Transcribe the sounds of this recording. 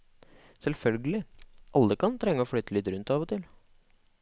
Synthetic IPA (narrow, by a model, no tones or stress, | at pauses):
sɛlfœlɡəlɪʔɑlːəkʰɑnt̪ʰɾɛŋːəɔːfyːt̪əlɪːt̪ɾʉnt̪ɑːʋɔt̪ʰɪl